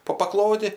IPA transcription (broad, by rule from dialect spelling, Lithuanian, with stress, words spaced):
poː pɐˈklˠoːdʲɪ